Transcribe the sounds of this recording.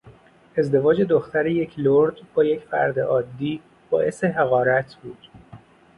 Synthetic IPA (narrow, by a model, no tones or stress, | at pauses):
e̞zd̪e̞vɒːd͡ʒed̪oxt̪æɾeje̞cʰloɾd̪bɒːjecʰfæ̰ɾd̪eʔɒːd̪ːiː | bɒ̰ːʔe̞se̞ɦeɣɒːɾæt̪ʰbuːd̪̥